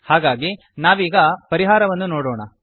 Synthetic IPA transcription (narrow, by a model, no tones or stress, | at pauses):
haːɡaːɡi | naːʋiːɡɐpɐɾiɦaːɾɐʋɐnːunoːɽoːɳɐ